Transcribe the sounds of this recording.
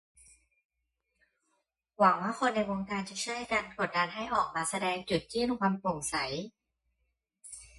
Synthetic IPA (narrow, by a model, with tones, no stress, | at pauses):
wa˩˦ŋwaː˥˩xʰo˧nːa˧jwoː˧ŋkaː˧nt͡ɕa˨˩t͡ɕʰjkaː˧nkʰu˨˩t̪̚daː˧nɦa˥˩jʔɔː˨˩k̚maː˧sa˧dɛː˧ŋt͡ɕu˨˩t̪̚t͡ɕɯː˥˩˨nkwaː˧mpo˨˩ŋsa˩˦j